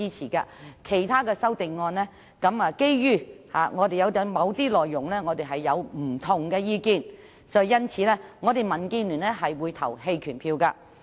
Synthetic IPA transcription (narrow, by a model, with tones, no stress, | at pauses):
iː˥t͡sʰiː˨˩ka̰ː˧kʰe˨˩jt̪ʰaː˥kɛː˧sɐ˥wt̪ɪ˨ŋːɔː˧nlɛː˥ | kɐ˨˥maː˧ke˥jjyː˥ha̰ː˨ŋɔː˨˧t̪e˨jɐ˨˧wt̪ɛ˨˧mɐ˨˧wt̪iː˥lɔː˨jːʊ˨˩ŋlɛː˥ŋɔː˨˧t̪e˨˩ɦɐ˨jːɐ˨˧wm̩˨˩t̪ʰʊ˨˩ŋkɛː˧jiː˧kiː˧n | sɔː˨˥i˨˧jɐ˥nt͡sʰiː˨˧˥lɛː˥ŋɔː˨˧t̪e˨jmɐ˨˩nkiː˧nly˨˩nlɛ˥ɦɐ˨jwuː˨˧jt̪ʰɐ̰˨˩whe˧jkʰyː˨˩npʰiː˧wkaː˧